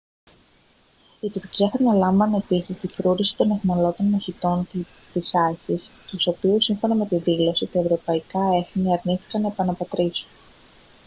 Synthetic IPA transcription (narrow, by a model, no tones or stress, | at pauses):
it̪uɾciɐθɐt̪nɐlɐɱvɐne̞pisist̪ifɾuɾisi̥t̪o̞ne̞θmɐlo̞t̪o̞nmɐçit̪o̞n | t̪isɐsisst̪uso̞piusiɱfo̞nɐme̞t̪iðilo̞sit̪ɐe̞vɾo̞pɐikɐe̞θniɐɾniθi̥kɐnːɐepɐnɐpɐt̪ɾisun